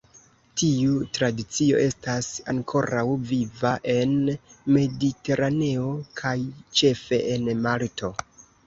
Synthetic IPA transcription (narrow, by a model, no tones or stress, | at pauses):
tiutɾadit͡sio̞̰ʔe̞stasaŋkʰo̞ɾawvivaʔe̞nme̞dite̞ɾane̞o̞kʰajt͡ʃe̞fe̞ʔenmaltʰo̞